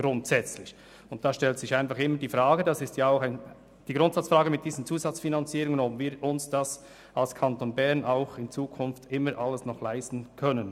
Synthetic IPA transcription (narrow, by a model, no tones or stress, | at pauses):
ɡ̥ɾʊntsɛt͡slɪç | ʊnt̚d̥aːʃtɛltsɪçaɪnfɑχɪmːədiːfɾaːɡədasɪstjaaʊxaɪn | d̥iːɡɾʊntsat͡sfɾɑːɡəmɪt̚d̥iːzən̩t͡suːzɑt͡sfinant͡siːɾʊŋənɔpviːɾʔʊnsd̥as | alskʰɑntonbɛʁnaʊxɪnt͡suːkʰʊnftɪməɾʔalːəsnɔχlaɪstn̩kʰœnən